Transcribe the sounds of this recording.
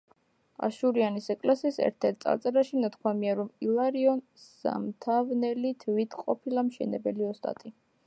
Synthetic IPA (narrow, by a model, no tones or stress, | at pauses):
a̰ʃuɾianisɛkʼlasiːsɛ̰ɾt̪ʰɛɾt̪̚sʼa̰t̪sʼɛɾaʃinat̪ʰkʰwamiaɾɔmilˠaɾiɔnsda̰mt̪ʰavnɛlit̪ʰvit̪ʰqʼɔpʰilamʃɛ̰nɛbɛliɔst̪ʼa̰t̪ʼi